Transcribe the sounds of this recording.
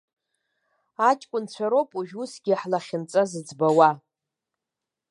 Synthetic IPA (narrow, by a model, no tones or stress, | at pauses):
at͡ʃʼkʷʼʊnt͡ɕʷʰaɾopʼuʒᶣusɡʲiħlaχʲɪnt͡sʼazɨd͡zbawa